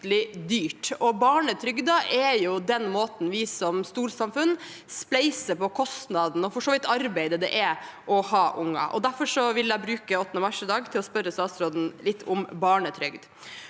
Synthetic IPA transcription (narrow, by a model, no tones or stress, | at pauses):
lɪd̪yːʈɔbɑːɳət̪ʰɾʏɡd̪ɑʔɛjʊd̪ɛnmoːt̪n̩ʋɪsɔmst̪uːɾsɑmfʉn | splɛɪsəpɔkʰɔst̪nɑd̪n̩ɔfɔʂoːʋɪt̪ːɑɾbæɪd̪əd̪ɛ̰ʔɛʔɔhɑːʔʊŋːɑ̰ʔɔ̰d̪æɾfɔʂɔʋɪlæɪbɾʉːkəɔt̪ːnəmɑʂɪd̪ɑːɡt̪ʰɪlɔspœɾːəst̪ɑːsɾoːd̪n̩lɪt̪ːʊmbɑːɳət̪ʰɾʏɡd̪